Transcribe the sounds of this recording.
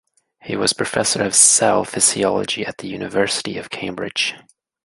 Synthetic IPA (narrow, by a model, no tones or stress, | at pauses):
hiwʌz̥pʰɹ̥ɨfɛsə˞ʌv̥sɛlˠfɨziɑlˠə̰d͡ʒiɨt̪̚ðɨjʉnɨvɜ˞sɨɾiʌv̥kʰẽɪ̃mbɹɪ̰d̥ʒ̥